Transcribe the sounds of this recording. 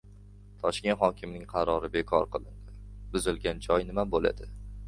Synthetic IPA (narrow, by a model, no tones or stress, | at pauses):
t̪ʰɒʃkʲe̞nt̪hɒkʲʰɪmnɪŋqʰɑɾɒɾɪbekʰɒ̰ɾqɨlˠɪnd̪ɪbʊzɪlɡʲand͡ʒɒjnɪmabola̰d̪ɪ